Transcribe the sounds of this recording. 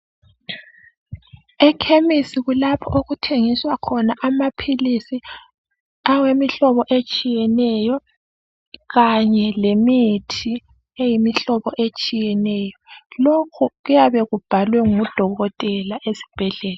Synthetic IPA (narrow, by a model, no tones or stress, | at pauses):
ɛkʰemisiɣulapʰɔʔoɣutʰeŋiswakʰɔnaʔamapʰilisi | awemiɬɔβɔʔet͡ʃʼijɛnɛjɔ | ɣaɲɛlemitʰi | ejimiɬɔβɔʔet͡ʃʼijɛnɛːjɔlokʰuɣujaβɛɣub̥ʱalwɛŋud̥ʱɔɣɔtʼɛlaʔesi̥b̥ʱɛɮɛːla